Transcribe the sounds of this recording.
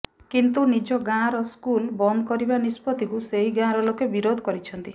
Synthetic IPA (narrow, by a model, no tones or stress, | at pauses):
kint̪unid͡ʒɔɡãɾɔskulbɔnd̪ɔkɔɾibanispɔt̪ikuseɦiɡãɾɔlokebiɾod̪ʱɔkɔɾit͡ʃʰɔnt̪i